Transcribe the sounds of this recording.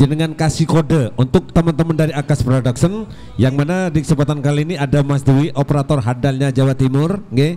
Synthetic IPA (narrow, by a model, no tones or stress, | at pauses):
d͡ʒanəŋankasikodəunt̪ʊk̚t̪əmənt̪əməndaɾiakaspɾodaksən | jaŋmanadikəsəmpat̪ankaliːniadamasduwiʔopəɾat̪ɔrɦadalɲad͡ʒawat̪imʊrŋɡɛ